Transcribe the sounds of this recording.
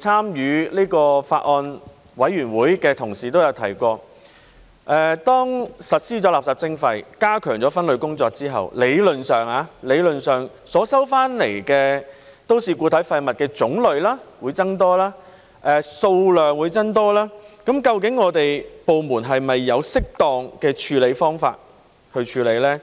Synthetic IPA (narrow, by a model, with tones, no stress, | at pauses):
t͡sʰaː˥mjyː˨˧liː˥kɔː˧fa̰ː˧t̚ʔɔː˧n | wɐ˨˥jɥyː˨˩nwuː˨˥jkɛː˧t̪ʰʊ˨˩ŋsiː˨t̪o˥wjɐ˨˧wt̪ʰɐ̰˨˩jkʷɔː˧ | ʔɛː˨˩t̪ɔː˥ŋsɐ˨t̚siː˥t͡sɔː˨˥laː˨p̚saː˨p̚t͡sɪ˥ŋfɐ˧jkaː˥kʰœː˨˩ŋt͡sɔː˨˧˥fɐ˥nlɵ˨˧ɥkʊ˥ŋt͡sɔː˧k̚t͡siː˥ɦɐ̰˨wle˨˧jlɵ˨˩nsœː˨˩ŋaː˨˧le˨˧jlɵ˨˩nsœː˨ŋ | sɔː˨˥sɐ˥wfaː˥nle˨˩jkɛː˧ | t̪o˥wsiː˨˧kuː˧t̪ʰɐ˨˥jfɐ˧jmɐ˨t̚kɛː˧t͡sʊ˨˥ŋlɵ˨˧ɥlaː˥wuː˨˧jt͡sɐ˥ŋt̪ɔː˥laː˥ | ʔɛː˨˧so˧wlœː˨ŋwuː˨˧jt͡sɐ˥ŋt̪ɔː˥laː˥kɐ˨˥mkɐ˧wk̬ɪ˨˥ŋːɔː˨˧t̪e˨jpo˨wmuː˨˩nɦɐ˨jmɐ˨jːɐ˨˧wsɪ˥k̚t̪ɔː˨ŋkɛː˧t͡ʃʰyː˨˧le˨˧jfɔː˥ŋfa̰ː˧t̚ | hɵ˧ɥt͡ʃʰyː˨˧le˨˧jlɛː˥